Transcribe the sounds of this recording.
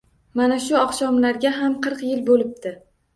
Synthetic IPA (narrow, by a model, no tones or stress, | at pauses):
manaʃʊɒqʃɒmlaɾɡʲaɦamqʰɨɾqjɪlbolɪp̚t̪ɪ